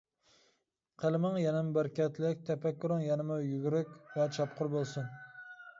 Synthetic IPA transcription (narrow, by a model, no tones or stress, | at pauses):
qʰəlˠɪmɪŋjɛnɪmbɪɾkʲɛt̪ʰlɪk̚ʲt̪ʰɛpækʲʰːyɾɪŋjɛnɪmʊjyɡʲyɾɪkʲvɛt͡ʃʰɑp̚qʰʊɾbolˠsʊn